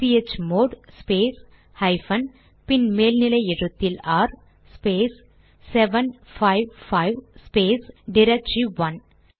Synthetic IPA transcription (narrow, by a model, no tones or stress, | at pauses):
piet͡ʃmoːɖspeːs | hɐɪfɐn | pɪnmeːlnɪlɐɪɛɻɯt̪ːɪlaːɾ | speːsː | ɛʋɐnfɐɪʋfɐɪʋspeːsɖɪɾɐk̚ʈɾiʋɐn